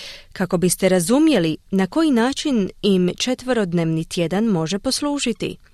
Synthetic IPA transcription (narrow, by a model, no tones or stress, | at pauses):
kako̞bist̪e̞ɾazumje̞linako̞jinaːt͡ʃinimt͡ʃe̞t̪ʋəɾo̞d̪neːʋnit̪je̞d̪anmo̞ʒe̞po̞sluːʒit̪ḭ